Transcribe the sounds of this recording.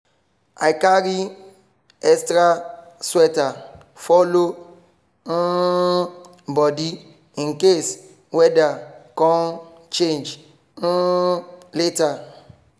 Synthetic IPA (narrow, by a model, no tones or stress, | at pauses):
a̰jkaɾi | ɛstɾaswɛta | fɔlo | bɔdi | ĩnkes | wɛdakɔ̃n | t͡ʃẽnd͡ʒ̩ | leta